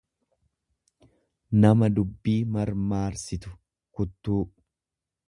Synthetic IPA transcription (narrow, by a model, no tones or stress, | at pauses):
nɐmɐd̪ʊbːiːmɐɾmaːɾsɪt̪ʊ̥ | kʊt̪ːuː